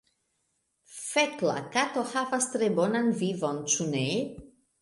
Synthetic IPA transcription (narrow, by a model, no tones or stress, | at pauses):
fetla̰kat̪ohavast̪ɾebonanvivont͡ʃune